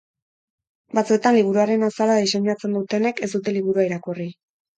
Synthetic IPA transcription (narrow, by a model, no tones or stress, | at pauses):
bat͡suet̪anliβ̞uɾuaɾe̞nasalaðise̞ɲat͡se̞nd̪ut̪e̞ne̞ke̞sd̪ut̪e̞liβuɾuaiɾakuri